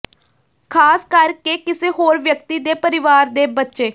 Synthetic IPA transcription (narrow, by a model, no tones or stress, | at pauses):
kʰaːskəɾkeːkɪseːɦoːɾʋjək̚t̪iːd̪eːpəɾɪʋaːɾd̪eːbətːʃeː